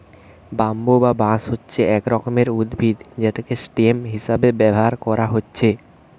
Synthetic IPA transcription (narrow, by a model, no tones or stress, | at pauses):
bambobabãsɦotːɕʰeɛkɾɔkomeɾud̪bʱid̪d͡ʑet̪ekesʈiemɦiʃabebɛbʱɦaɾkɔɾaɦotːɕʰe